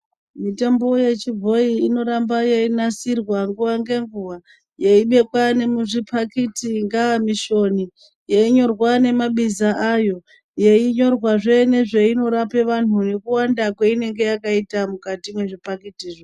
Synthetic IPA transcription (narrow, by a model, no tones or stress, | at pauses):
mitambo̞je̞t͡ʃib͡vʱo̞iːno̞ɾambajeinasirwaŋɡuʋaŋɡe̞ŋɡuʋa | jeiɓe̞kwane̞muʐipʰakitiŋɡaamiʃo̞ni | jeiɲo̞rwane̞maɓizaʔajo̞ | jeiɲo̞rwaʐene̞ʐeino̞ɾape̞ʋan̤une̞kuwandakweine̞ŋɡe̞jakaitamukatimwe̞ʐipakitiːʐo